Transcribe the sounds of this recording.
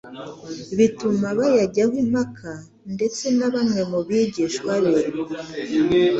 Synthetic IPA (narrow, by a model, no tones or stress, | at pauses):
βitumaβajaɟahwimakʰa | nde̞t͡se̞naβamŋe̞muβjiɟiʃwaɾeɾo